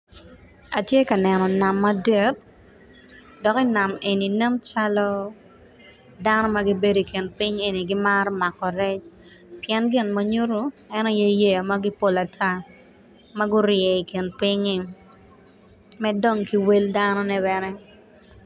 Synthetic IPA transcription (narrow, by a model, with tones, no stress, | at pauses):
a˨tje˦ka˨nɛ˨nɔ˨na˨mːadɛ˦t̚ | dɔ˨kɪ˦na˨me˨ni˨nɛ˦nt͡ʃalɔ˦ | da˦nɔ˦ma˦ɡi˦be˦do˨i˨kɪ˨npɪ˦ŋe˨ni˨ɡɪ˦maɾɔ˦ma˨kːɔ˨ɾɛ˦t͡ʃ | pɪjɛ˦nɡɪ˦nmaɲu˦ɾu˦ɛnɔ˦je˦je˦a˨ma˦ɡi˦po˦la˨tʰa˦ | ma˦ɡʊ˦ɾjɛ˨i˨kɪ˨npɪ˦ŋi˦ | mɛ˦do˦˨ŋki˦we˦ldanɔ˦nɛ˦βɛnɛ˦